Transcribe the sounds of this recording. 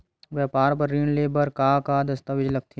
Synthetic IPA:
ʋjɐːpaːɾbəɾːiːɳleːbəɾkaːkaːd̪ɐst̪aʋɪd͡ʒlɐk̚t̪ʰi

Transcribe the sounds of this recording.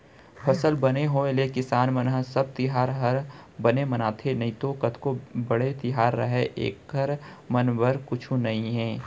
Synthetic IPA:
pʰɐsəlbɐneɦoelekɪsaːnmɐnɦsɐb̚t̪ɪɦaːɾɦəɾbɐnemɐnaːt̪ʰenɐĩt̪okɐt̪ʰkobɐɽet̪ɪɦaːɾːəɦeʔḛːk̚ɡəɾmɐnbəɾkʊt͡ʃʰũnɐɦĩɦɛ̃ː

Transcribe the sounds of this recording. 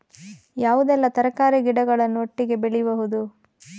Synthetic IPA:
jaːʋud̪ɛlːɐt̪ɐɾɐkaːɾiɡiɽɐɡɐɭɐnːoʈːiɡe̞beɭibɐɦud̪u

